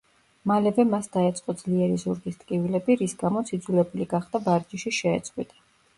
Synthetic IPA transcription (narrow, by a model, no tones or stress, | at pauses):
malɛvɛmasd̪aɛt̪sʼqʼɔd̪zliɛɾizuɾɡist̪ʼkʼivilɛbiɾisɡamɔt̪sʰid̪zulɛbuliɡaχd̪abaɾd͡ʒiʃiʃɛ̰ːt̪sʼqʼwit̪ʼḁ